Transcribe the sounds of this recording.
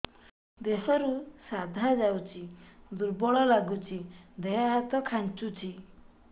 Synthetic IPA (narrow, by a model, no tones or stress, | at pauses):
d̪ɛsaɾusad̪ʱad͡zawt͡ɕid̪uɾbɔɭɔlaɡut͡ɕid̪ɛaɦat̪ɔkʰãnt͡ʃut͡ɕi